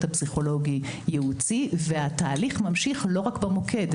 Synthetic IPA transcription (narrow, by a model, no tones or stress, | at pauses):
thapsiχo̞lo̞ɡi | jeut͡siveat̪aːliχmamʃiχlo̞ʁakbamo̞kʰe̞d̪